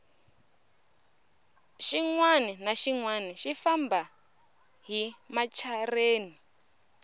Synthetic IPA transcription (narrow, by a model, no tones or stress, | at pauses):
ʃiŋwaninaʃiŋwaniʃifamba | ɦimat͡ʃʰareːni